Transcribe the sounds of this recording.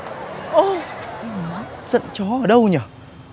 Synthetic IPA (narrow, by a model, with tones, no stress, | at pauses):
ʔə˨˩ʔɛ˧mnɔ˨˦zə̰˧˨nt͡ɕɔ˨˦ʔəː˨˩ɗə˧wɲaː˨˩